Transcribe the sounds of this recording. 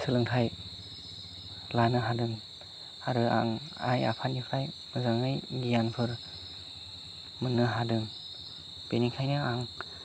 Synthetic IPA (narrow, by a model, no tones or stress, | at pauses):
sʰɯlɯŋtʰaj | lanɯɦadɯŋ | haɾɯa̰ŋ | a̰ja̰pʰanipʰaj | mɯzaŋɯjɡijanpʰɯɾ | mɯnːɯɦadɯŋ | penikʰajnɯaŋ